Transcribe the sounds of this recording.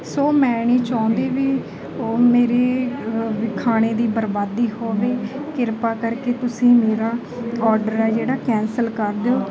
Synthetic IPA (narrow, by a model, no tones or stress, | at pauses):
ssoːmɛ̃ːɳ̃iːt͡ʃaːʊ̃nd̪eːʋiː | meːɾeːʋɪkʰːaːɽ̃eːd̪iːbəɾbaːd̪iːɦoːʋeːkɪɾpaːkəɾkeːt̪ʊsĩːmeːɾaː | ɔːɾɖəɾɛːd͡ʒeːɽaːkɛ̃ːnsəlkəɾd̪eoː